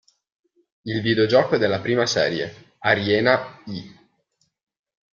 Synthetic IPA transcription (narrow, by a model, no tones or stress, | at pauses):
ilvid̪eod͡ʒɔːkoɛd̪elːapɾiːmasɛ̰ːɾjḛ | aɾjɛːnai